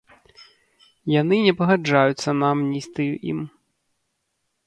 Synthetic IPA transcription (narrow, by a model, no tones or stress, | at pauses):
janɨnʲɛpɐɣad͡ʐajut̪sːɐnamnʲist̪ɨjuʔḭm